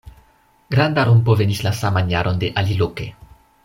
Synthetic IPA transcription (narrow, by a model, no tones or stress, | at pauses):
ɡ̥ɾand̪aɾumpo̞ve̞nislasamanjaɾo̞nde̞ʔaliloke̞